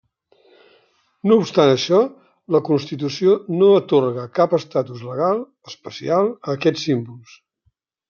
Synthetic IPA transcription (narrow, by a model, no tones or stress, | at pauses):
noupst̪anəʃɔ | ləkunst̪it̪usionoət̪orɣəkapəst̪at̪uzləɣ̞alˠ | əspəsialˠəːkɛt͡sːimbulˠs